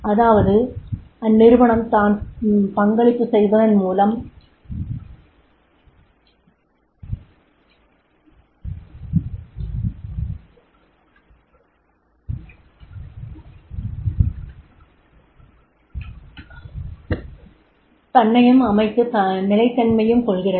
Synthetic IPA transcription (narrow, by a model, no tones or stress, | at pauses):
ɐðaːʋɐðɯɐnːɪɾɯʋɐɳɐmt̪aːnpɐŋɡɐɭɪpːɯsɛjʋɐðɐnmuːlɐm | t̪ɐnːɐjɯmɐmɐɪt̪ːɯnɪlɐɪt̪ːɐnmɐjɯmkɔɭɣɪrɐ